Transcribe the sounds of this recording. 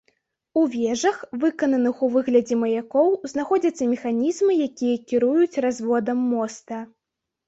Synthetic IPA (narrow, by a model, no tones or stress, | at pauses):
uvʲɛʐɐxvɨkɐnɐnɨxuvɨɣlʲɐd͡zʲɛmɐjakɔwznaxɔd͡zʲɐt̪sːɐmʲɛxanʲizmɨjakʲijɐkʲiɾujut͡sʲrazvɔd̪ɐmːɔst̪ɐ